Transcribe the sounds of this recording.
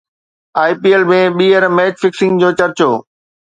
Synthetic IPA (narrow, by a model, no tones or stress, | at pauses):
aːipiːelmẽɓiːəɾmɛːt͡ɕfɪksɪ̃ŋɡd͡ʑoːt͡ɕɐɾt͡ɕoː